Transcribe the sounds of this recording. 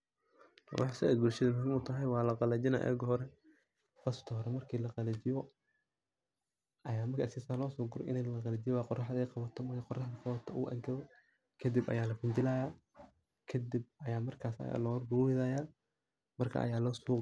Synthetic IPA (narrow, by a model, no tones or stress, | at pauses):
wɑ̰ħsɛʔɛ̰ːd̪bʊlʃɐðɐmʊɦɪmʊt̪ʰɐɦɛjwɑːlɐqɑlɐd͡ʒɪna̰ʔɛ̰ɡhɔɾɛ | bɐst̪ʰɔhɔɾɛmɐrkʰiːlɐqɑlɐt͡ʃɪjɔ | ʔɐjaːmɐrkʰːsiːsaːlɔːsɔːɡʊɾɔ̰ʔɪ̰nɛlɐqɑlɐd͡ʒɪjwaqɔrɑħd̪ɛqɑβɐt̪ʰɔmɐrkʰɐqɔrɑħd̪ɐqɑβɐt̪ʰɔʔṵʔɐ̰ŋkʰɐɔ | kʰɐd̪ɪbʔɐ̰jaːlɐfɪɲt͡ʃɪlaːjaː | kʰɐd̪ɪb̚ɐjaːmɐrkʰaːslɔrɡʊɾuɪðaːjaː | mɐrkʰɐ̰ʔɐ̰jaːlɔːsɔː